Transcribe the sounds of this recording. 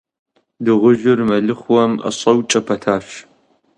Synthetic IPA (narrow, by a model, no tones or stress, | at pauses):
dɨʁʷʊʒɪrmɐɮɨχʷwɔmɐ̰ɕʼɐwt͡ʃʼɐpʰɐtʰaːɕ